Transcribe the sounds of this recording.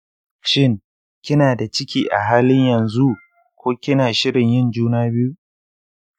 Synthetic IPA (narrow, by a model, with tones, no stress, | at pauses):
ʃɪ˦˨ŋ | kʲɪ˦naː˨da˨t͡ʃɪ˦kʲiː˨ʔa̰˨ɦaː˦lɪ˦ɲjɐ˨nzu˦ | kʷoː˦kʲɪ˦naː˨ʃɪ˦ɽɪ˨ɲjɪ˦nd͡ʒuː˦naː˦bɪ˦ju˦